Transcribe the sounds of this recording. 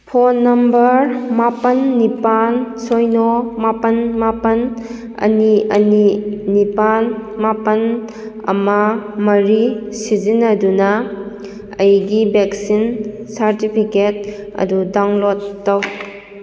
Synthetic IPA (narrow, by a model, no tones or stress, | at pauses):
pʰonːɐmbɐɾmapɐnːipansojnomapɐnmapɐn | ɐ̰niɐninipanmapɐn | ɐ̰mɐmɐɾisid͡ʒinɐdunɐ | ɐjɡibeksin | saɾtipʰiket̚ɐ̰dudaŋlotːɐw